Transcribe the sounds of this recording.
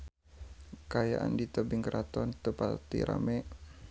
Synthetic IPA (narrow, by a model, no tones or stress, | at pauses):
kaja̰ʔa̰ndit̪ɔbiŋkɾʔat̪ɔnt̪upat̪ḭɾʔa̰mɛ